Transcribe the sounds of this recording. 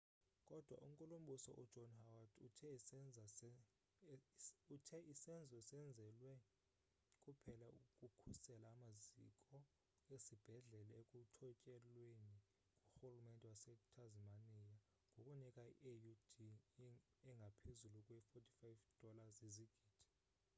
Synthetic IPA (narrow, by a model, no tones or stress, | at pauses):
kʼɔd̥ʱwa̰ʔum̩kʼulum̩ɓusɔ̰ʔud̥ʒ̥ʱɔnhawatʰutʰɛ | utʰɛʔisɛnd͡zʱɛsɛnd͡zʱɛlwɛ | kʼupʰɛlaukʼukʰusɛlaːmazḭkʼɔ | esib̥ʱɛɮɛlaekʼutʰɔcʼɛlweni | kʼuxulumɛntʼɛwasɛtʰazimanija | ŋʱokʼunikʼaḭʔejud̥i | ɛŋɡʱapʰezulukʼwɛifotʰʼi̥fajvd̥ʱɔlaziziɡ̥ʱiːd̥ʰʱi̥